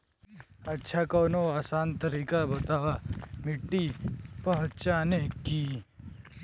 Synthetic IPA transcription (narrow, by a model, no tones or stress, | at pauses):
ɐtːʃʰakoːnoaːsaːnt̪əɾiːkabɐt̪aːʋamɪʈːipɐɦtt͡ʃaːneki